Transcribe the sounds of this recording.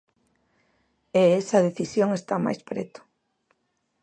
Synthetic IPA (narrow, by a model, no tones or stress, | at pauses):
eɛsɐðeθisjoŋest̪ama̰jspɾɛ̰t̪ʊ̥